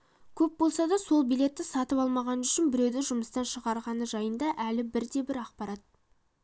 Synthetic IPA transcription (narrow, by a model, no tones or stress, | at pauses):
kʲʰɵp̚bo̞lˠsɑd̪ɑso̞lˠbijle̞t̪ːɪsɑt̪əpɑlˠmɑʁɑnəʏʃɪnbɪɾe̞wd̪ɪʒʊməst̪ɑnʃəʁɑɾʁɑnəʒɑjənd̪ɑʔælɪbɪɾd̪e̞bɪɾɑqpɑɾɑt̪̚